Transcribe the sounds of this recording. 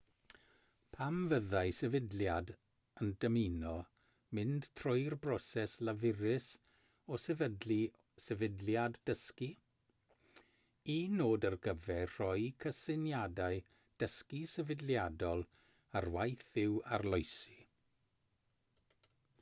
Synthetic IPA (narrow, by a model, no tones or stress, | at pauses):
pʰamvəðaɨsɛvɪdljad | əndəminɔ | mɪnd̥tʰrɔjrbrɔsɛslavɪɾɪs | ɔsɛvədli | sɛvɪdljadːəski | inoːdərɡəvɛr̥ɔjkʰəsɪnjadaɨ | d̥əskisɛvɪdljadɔlˠ | arwajθɪwa̰rlˠɔjsi